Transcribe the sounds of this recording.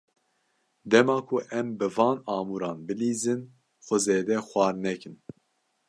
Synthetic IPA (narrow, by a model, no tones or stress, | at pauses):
d̪ɛmɑːkʰuʔɛmbɨvɑːnɑːmuːɾɑːnbɨliːzɨn | xʷɔzeːd̪ɛxʷɑːɾnɛkɨn